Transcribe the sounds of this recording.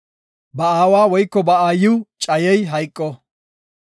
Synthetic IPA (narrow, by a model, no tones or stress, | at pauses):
bɐaːwaːwɔjkːɔbɐaːjɪwt͡ʃʼɐjɛjɦɐjkʼːɔ